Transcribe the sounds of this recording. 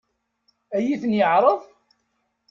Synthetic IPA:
æjiθənjəʕɾˤəðˤ

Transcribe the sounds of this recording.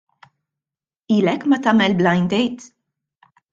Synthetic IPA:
iːlɛkːmɐt̪ɐːmɛlblɐjnd̪ɛjt̪

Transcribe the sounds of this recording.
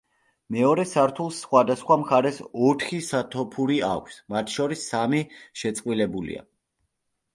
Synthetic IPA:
mɛɔɾɛsaɾt̪ʰulˠsχwad̪asχwamχaɾɛsɔt̪ʰχisat̪ʰɔpʰuɾia̰kʷʰsmat̪ʰʃɔɾisːamiʃɛt̪sʼqʼwilɛbulḭa̰

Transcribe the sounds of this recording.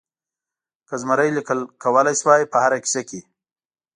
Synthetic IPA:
kəzmaɾəjlikəlkawəlajswaːjpəhaɾaki̥saki

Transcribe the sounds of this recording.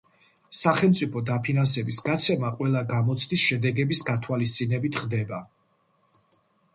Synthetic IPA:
saχɛlˠmt̪sʼipʰɔd̪apʰinansɛbisɡat̪sʰɛmaqʼwɛlˠaɡamɔt̪sʰd̪isʃɛd̪ɛɡɛbisɡat̪ʰwalis̬t̪sʼinɛbit̪ʰχd̪ɛba

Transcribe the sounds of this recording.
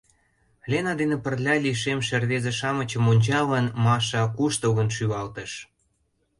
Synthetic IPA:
lʲenɑd̪enĕpərlʲɑlʲiʃemʃerβezĕʃɑmə̆t͡ɕə̆monʲt͡ɕɑβɑnmɑʃɑkuʃt̪əɣə̆nʃyβɑlt̪ə̆ʃ

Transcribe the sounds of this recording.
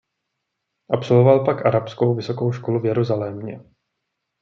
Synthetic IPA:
ʔapsolvovalpakʔaɾapsko̞wvɪso̞ko̞wʃkoluvjɛɾuzalɛmɲɛ̰

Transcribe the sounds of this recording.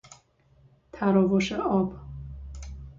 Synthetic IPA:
t̪ʰæɾɔvoʃeɒb

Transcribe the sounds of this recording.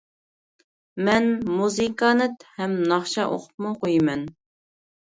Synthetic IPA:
mɛnmuzɨkʰɑnɨt̪hɛmnɑχʃɑʔo̰qʰʊ̥p̚mʊqojimɛn

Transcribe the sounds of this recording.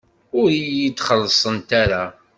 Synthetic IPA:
ʊɾijit͡sːχəlːəsˤənt̪aɾa

